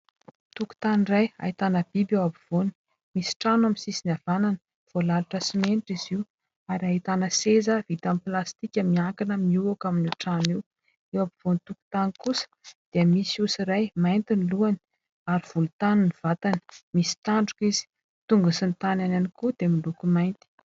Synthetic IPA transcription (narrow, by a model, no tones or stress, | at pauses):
t̪uku̥t̪aniraja̰it̪anəbibewabiv̥oni̥ | misi̥ʈ͡ʂanwaminsisinavananə̥ | v̥olaluʈ͡ʂəsimeniʈ͡ʂiziu | aɾait̪anəsezəvit̪amiplast̪ikʲəmiaŋkinəmiuakaminiʈ͡ʂaniw | ewabiv̥onit̪uku̥t̪anikusə̥d̪̥eiəmisiusiɾajmajnt̪iniluani̥ | aɾiv̥ulut̪anuniv̥at̪ani̥misi̥t̪aɳɖ͡ʐukizi̥ | t̪uŋɡusint̪anananikud̪̥emilukumajnt̪i̥